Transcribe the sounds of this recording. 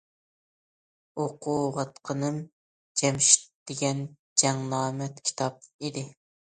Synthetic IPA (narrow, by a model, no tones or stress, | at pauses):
oqʰuʁɑt̪qʰənɨm | d͡ʒɛmʃi̥t̪̚d̪̥eɡʲɛn | d͡ʒɛŋnˠɑːmɛt̪kʲʰi̥t̪ʰɑp̚id̪ɪ